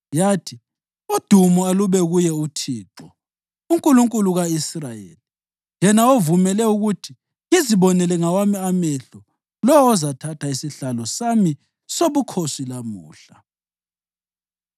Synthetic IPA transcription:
jaːtʰi | ud̥ʱumualuβɛɣujɛutʰiːǁɔ | uŋkʼuluŋkʼuluɣaisrajḛːli | jɛnaovumɛlɛuɣutʰi | iziβɔnɛlɛŋawamiamɛɬɔ | lɔwɔːzatʰatʰaisiɬalɔsami | soβukʰosilamṵːɬa

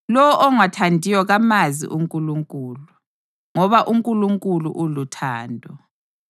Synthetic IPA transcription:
lɔwɔʔɔŋatʰandʱiwɔɣamazḭʔuŋkʼuluŋkʼuːlu | ŋɔβaʔuŋkʼuluŋkʼulṵʔulutʰaːndʱɔ

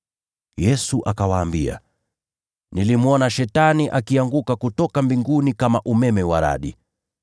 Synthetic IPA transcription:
jɛsuʔakawaːmbia̰ | nilimuɔnaʃɛtaniʔakiaŋɡukakutɔkambiŋɡunikamaʔumɛmɛwaɾa̰ɗḭ

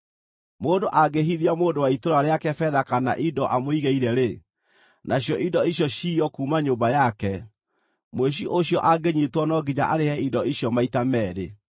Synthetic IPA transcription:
moːndoʔaɡeɦiðiamoːndowaitoɾaɾeakɛfɛðakana̰ʔidɔʔamoiɣeiɾɛɾe | nʔaɕjɔʔidɔiɕjɔɕiːɔkumaɲoːmbajakɛ | mweɕ̬iʔoɕjɔʔaɡeɲitwɔnɔɡiɲaʔaɾehɛidɔiɕjɔmaitamɛːɾḛ

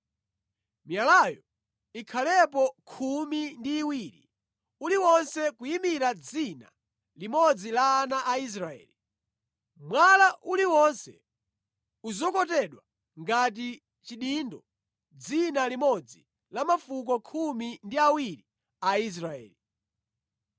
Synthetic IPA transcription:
mjalajɔ | ikʰalɛp̬ɔkʰumindiːwiɾḭ | uliwɔnsɛkujimiɾad͡zina̰ | limɔd͡zilaːnaʔais̬ɾaɛ̰ːli | mwalaʔuliwɔnsɛ̰ | uzɔkɔtɛɗwa | ŋɡat̬i | t͡ʃiɗindɔ | d͡zinalimɔd͡zi | lamafuk̬ɔkʰumindiawiɾi | ais̬ɾaɛ̰ːli

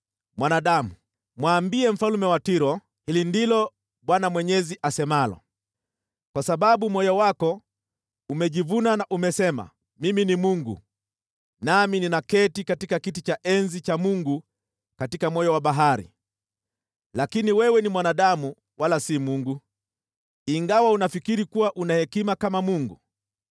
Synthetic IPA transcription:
mwanaɗamu | mwaːmbiɛm̩falumɛwatiɾɔ | hilindilɔ | ɓwanamwɛɲɛziʔasɛmalɔ̰ | kwasaɓaɓumwɔjɔwakɔ | umɛʄivunanaʔumɛsɛma̰ | miminimuŋɡṵ | namininakɛtikatikakitit͡ʃaʔɛnzit͡ʃamuŋɡu | katikamwɔjɔwaɓaɦaɾḭ | lakiniwɛwɛnimwanaɗamu | wʔalasimuŋɡu | iŋɡawaunafikiɾikuwaʔunahɛkimakamamuŋɡu

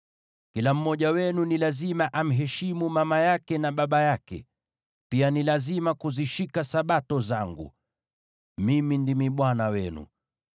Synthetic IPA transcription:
kilam̩mːɔʄawɛnunilazimaʔam̩ɦɛʃimumamajakɛnaɓaɓajakɛ̰ | pianilazimakuziʃikasaɓatɔzaŋɡṵ | mimindimiɓwanawɛnṵ

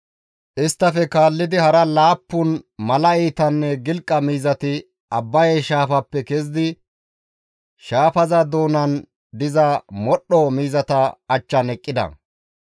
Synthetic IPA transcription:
ʔɪst̪ːɐfɛkaːlːɪd̪ɪhɐɾɐlaːpːʊnmɐlɐɛjt̪ɐnːɛɡɪlkʼːɐmiːzɐt̪ɪ | ɐbːɐjɛʃaːfɐpːɛkɛzɪd̪ɪ | ʃaːfɐzɐd̪oːnɐn | d̪ɪzɐmɔɗɔmiːzɐt̪ɐɐt͡ʃːɐnɛkʼːɪd̪ɐ̰

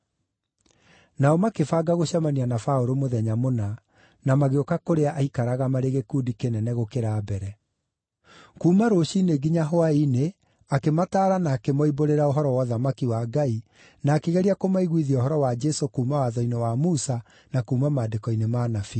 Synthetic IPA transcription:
naɔmakefaɡaɣoɕamanianafaoɾomoðɛɲamona | namaɣeokakoɾeaʔaikaɾaɣamaɾeɣekuːdikenɛnɛɣokeɾaːbɛɾɛ | kuːmaɾoɕineɡiɲaɦoaine | akemataːɾanaːkemɔiboɾeɾaoɦɔɾɔwɔðamakiwaɡai | naːkeɣɛɾiakomaiɣwiðiaoɦɔɾɔwad͡ʒɛsokuːmawaðɔinewamusa | nakuːmamaːdekɔinemaːnafi

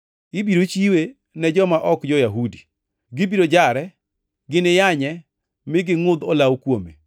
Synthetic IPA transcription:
ɪbiɾot͡ʃiwe | nɛd͡ʒɔmaʔɔkd͡ʒɔjaɦudi | ɡɪbiɾod͡ʒaɾɛ | ɡɪnɪjaɲɛ | mɪɡɪŋʊd̪olawkwome

